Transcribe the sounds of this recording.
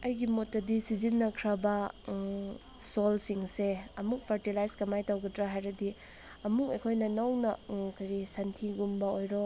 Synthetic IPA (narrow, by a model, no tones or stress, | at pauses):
ɐjɡimotːɐdisizinːɐkʰɾɐbɐ | solsiŋseɐmuk̚pʰɐɾtilajskɐmajtawɡɐdɾaɦajɾɐdi | ɐmukɐjkʰojnɐnɐwnɐkʰɐɾisantʰiɡumbɐojɾɔ